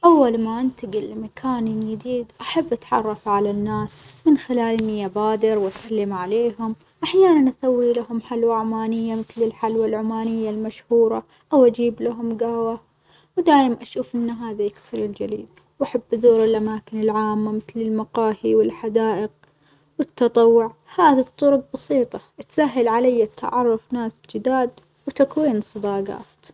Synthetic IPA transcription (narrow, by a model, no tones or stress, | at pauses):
ʔawːalmaʔɪnt̪aɡɪlːmakʰaːnnjɪd̪iːd̪ʔaħabːʔat̪ʕɑ̰rˤːɑfʕalanːaːsmɪnxɪlaːlʔɪnːiʔabaːd̪ɪɾwʔasalːɪmʕaleːɦʊm | ʔaħjaːnanʔasawːilahʊmħalwaʕʊmaːnɪjːamɪθlɪlħalwalʕʊmaːnɪjːalmaʃhuːɾˤɑ | ʔawʔad͡ʒiːblaɦʊmɡawa | wd̪aːjɪmanʔaʃuːfʔɪnːaɦaːðajɪɡsɪɾɪld͡ʒalḭːd̪ | wʔaħabːzoːɾɪlʔamaːkɪnɪlʕaːmːamɪθlɪlmaqɑːhiwɪlħad̪aːʔɪq̚ | wɪt̪ːɑt̪ˤɑwːʊʕhaːðit̪ˤːʊɾʊb̚bɑsiːt̪ˤɑʔt̪saɦːalʕalajːat̪ʰːa̰ʕɑrˤːʊfnaːsd͡ʒɪd̪aːd̪ | wt̪akwiːnɨsˤːɨd̪ɑːɡɑ̰ːt̪